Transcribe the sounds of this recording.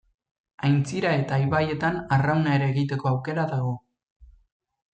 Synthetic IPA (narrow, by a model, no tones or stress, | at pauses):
ajnt͡siɾae̞t̪aːjβaje̞t̪anarawnae̞ɾeːɣit̪e̞ko̞awke̞ɾaðaɣ̞o̞